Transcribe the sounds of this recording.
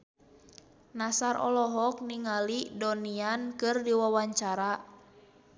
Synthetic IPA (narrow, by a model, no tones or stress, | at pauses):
nasarʔɔ̰lɔɦɔk̚niŋalidɔniankɨrdiwawaɲt͡ʃaɾa